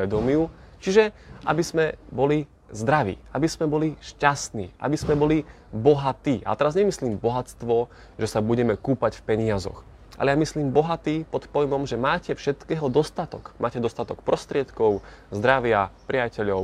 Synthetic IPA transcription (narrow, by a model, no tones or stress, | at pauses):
ɛd̪ɔmjut͡ʃiʒɛʔa̰bizmɛbɔli | zd̪ɾaʋḭːa̰bizmɛbɔliʃcast̪nḭːʔa̰bizmɛbɔli | bɔɦat̪iːʔa̰t̪ɛɾazɲɛmisliːmbɔɦat͡st̪ʋɔ | ʒɛsabuɟɛmɛkuːpacfpɛɲɪazɔ̰x | a̰lɛjamisliːmbɔɦat̪iːpɔt̪pɔjmɔmʒɛmaːcɛfʃɛt̪kɛːɦɔd̪ɔst̪at̪ɔ̰kmaːcɛd̪ɔst̪at̪ɔkpɾɔst̪ɾɪɛt̪kɔʊ | zd̪ɾaʋɪapɾɪacɛʎɔʊ